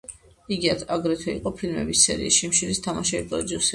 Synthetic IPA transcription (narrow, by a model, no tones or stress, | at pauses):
iɡiad̪ʰaɡɾɛt̪ʰɔḭqʼɔpʰilmɛ̰bisːɛ̰ɾiisʃimʃilist̪ʰamaʃɛvipʼɾɔd̪usɛ